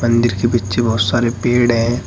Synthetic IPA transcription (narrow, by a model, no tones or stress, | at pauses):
mɐ̃nd̪ɪɾkebitːʃebɐɦʊt̪saːɾepeːɽɦɛ̃